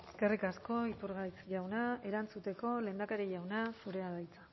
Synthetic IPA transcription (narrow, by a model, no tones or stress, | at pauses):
eske̞rikasko̞ipuɾɣajt͡sʝawnae̞ɾant͡sut̪e̞ko̞le̞ːnd̪akaɾiʝawnasuɾe̞aðajt͡sḁ